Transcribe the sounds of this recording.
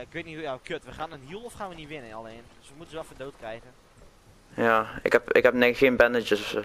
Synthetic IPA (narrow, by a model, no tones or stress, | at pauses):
aɪkʋɪtnihujakʰøtʋəχaːnənɦiəlˠɔfχaːnʋəniʋɪnənaleːnd̥øsʋəmutənʋɛlˠfɔndoːtkrɛjɣən | jaɪ̰khɛpɪ̰khɛpnɛxeənbɛndət͡ʃəsɔfsə